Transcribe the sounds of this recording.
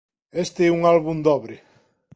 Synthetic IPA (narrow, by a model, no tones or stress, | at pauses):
est̪eɛuŋalβund̪ɔβɾe